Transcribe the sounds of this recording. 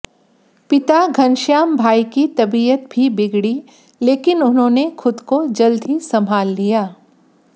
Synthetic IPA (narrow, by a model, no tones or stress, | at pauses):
pɪt̪aɡʱɐnʃjaːmbʱaːikit̪ɐbiːət̪̚bʱibɪɡɽi | leːkɪnʊnɦõnexʊd̪kod͡ʒɐld̪ʱisɐmʱaːlːijaː